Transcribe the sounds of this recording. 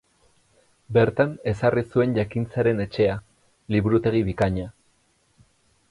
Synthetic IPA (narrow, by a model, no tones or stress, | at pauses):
be̞ɾt̪ane̞sarisue̞nʝakint͡saɾe̞ne̞t͡ʃe̞a | liβuɾut̪e̞ɣ̞iβikaɲa